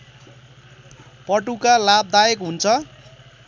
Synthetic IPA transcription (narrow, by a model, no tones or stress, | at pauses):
pʌʈukalap̚d̪ajekɦunt͡sʰʌ